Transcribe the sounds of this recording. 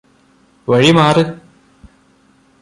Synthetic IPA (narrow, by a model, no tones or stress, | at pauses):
ʋɐɻimaːrɨ